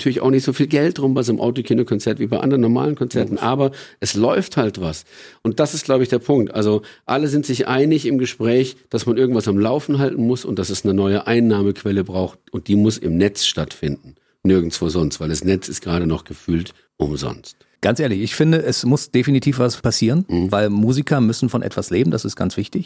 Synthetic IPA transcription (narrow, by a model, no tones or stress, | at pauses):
tʰyɐlɪçʔa̰ʊxnɪçtz̥oːfiːlɡɛlt̚d̥ʁʊmbaɪzomʔa̰ʊtokʰiːnokʰɔnt͡sɛɐtv̥iːbaɪʔa̰ndəʁənːɔɐma̰ːlənkʰɔnt͡sɛɐtn̩ʔaːbɐʔɛslɔʏfthaltv̥asʔʊnt̚d̥asɪstɡ̥laʊbəɪçd̥eːɐpʰʊŋk̚tʔalzoʔaləzɪntz̥ɪçʔa̰ɪnɪçɪmɡəʃpʁ̥ɛːçd̥asmanʔɪɐɡŋ̩tv̥asamlaʊfn̩ɦaltn̩mʊsʊ̰ntd̥asɛsnənɔʏəʔaɪnːaːməkʰv̥ɛləbʁaʊxt̚ʊnt̚d̥iːmʊsɪ̰mnɛt͡sʃtatfɪndn̩ | nɪɐɡŋ̩sv̥oːzɔnstv̥aɪldasnɛt͡sɪstɡ̥ʁaːɾənɔχɡ̥əfyːlt | ʔʊ̰mzɔ̰nst | ɡ̥ant͡sʔeːɐlɪçɪçfɪndəʔɛsmʊsd̥efinitʰiːfv̥aspʰasiːʁənvaɪlmuːzikʰɐmʏsn̩fɔnʔɛ̰tv̥asleːbm̩d̥asɪstɡ̥a̰nt͡sv̥ɪçtɪç